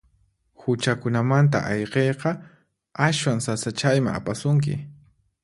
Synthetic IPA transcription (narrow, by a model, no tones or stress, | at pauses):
hʊt͡ʃakʊnamant̪̬a̰ʔɑjqejqɑ | aʃwaŋsasat͡ʃajma̰ŋa̰pasʊŋk̬ɪ̰